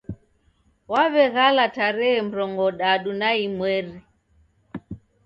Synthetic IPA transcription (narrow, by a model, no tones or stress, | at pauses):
waβɛɣalataɾɛɛm̩ɾɔŋɡɔɗaɗunaimwɛɾi